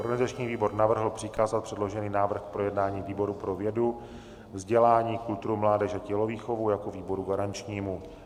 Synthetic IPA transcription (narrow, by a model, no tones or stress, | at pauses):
ʔoɾɡanɪzat͡ʃɲiːviːbo̞ɾnavr̩ɦl̩pr̥ɪkaːzat̪pr̥ɛdlo̞ʒɛniːnaːvr̩xk̚pɾo̞jɛdnaːɲiːviːbo̞ɾupɾo̞vjɛdu | vzɟɛlaːɲiːkult̪uɾumlaːdɛʃacɛloviːxovujakoviːbo̞ɾuɡaɾant͡ʃɲiːmu